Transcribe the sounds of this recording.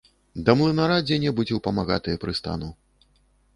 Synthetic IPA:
d̪ɐmlˠɨnɐɾad͡zʲɛnʲɛbɨt͡sʲɛwpɐmaɣat̪ɨjɐpɾɨst̪a̰nu

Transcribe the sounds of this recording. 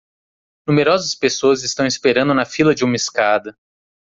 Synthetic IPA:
nũmeɾɔzɐspesoɐzɪst̪ɐ̃w̃ispeɾɐ̃nd̪ʊnɐfilɐd͡ʒɪũmɐiskad̪ɐ

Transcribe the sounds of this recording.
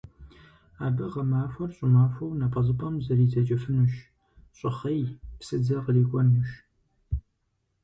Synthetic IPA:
aːbɨʁɐmaːfʷɐrɕʼɪmaːfʷɐwnapʼɐzɨpʼɐmzɐriːtʰɐt͡ʃʼɐfɨnuʃ | ɕʼɪχɐjpsɨd͡zɐʁəliːkʷʼɔnːuʃ

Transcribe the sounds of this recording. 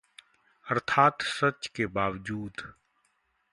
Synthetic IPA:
əɾt̪ʰaːt̪sət͡ʃkebaːʋd͡ʒuːd̪

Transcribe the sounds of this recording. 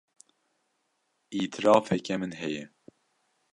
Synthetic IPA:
iːt̪ʰɪɾɑːfɛkɛmɨnɦɛjɛ

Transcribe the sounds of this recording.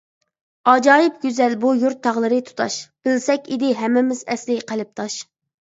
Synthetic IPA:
ɑd͡ʒɑːjɪpɡʲyzɛlbujuɾt̪ʰːɑʁlˠɨɾɨt̪ʰu̥t̪ʰɑʃb̥ɪlsɛkʲid̪ɪɦɛmːɪmɪzɛslɪqʰəlˠɪp̚t̪ʰɑʃ

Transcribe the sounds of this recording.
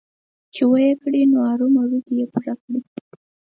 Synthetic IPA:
t͡ʃewajekɽinoaɾumaɾukijepuɾakɽi

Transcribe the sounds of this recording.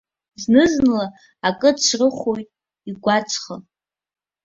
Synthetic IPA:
znɨznlaː | kʼɨt͡ʃʷʰrɨχʷojtʼ | iɡʷat͡sʰʼχa

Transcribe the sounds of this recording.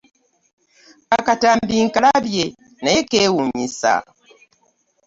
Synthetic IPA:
akataːmbiŋkalaβje | najekeːwuɲisa̰

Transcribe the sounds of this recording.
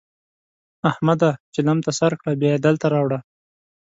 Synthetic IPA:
ahmad̪at͡ʃɪlamt̪asaɾkɽabjɑjed̪əlt̪aɾɑwɽa

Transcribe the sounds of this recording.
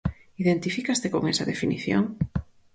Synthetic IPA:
iðent̪ifikast̪ekoŋesaðefiniθjo̰ŋ

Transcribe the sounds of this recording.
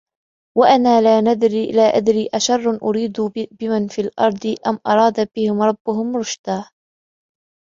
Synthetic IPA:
waʔanaːlaːnad̪ɾilaːʔad̪ɾiːʔaʃɑrˤːnʔʊɾiːd̪bɪmanfiːlʔɑ̰ɾˤd̪ˤɨʔamʔɑɾˤɑːd̪abɪhɪmɾˤɑbːʊhʊmɾˤʊʃd̪aː

